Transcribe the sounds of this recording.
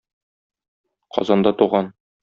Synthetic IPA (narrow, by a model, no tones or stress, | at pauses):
qɒ̰zɑnd̪ɑt̪uʁɑn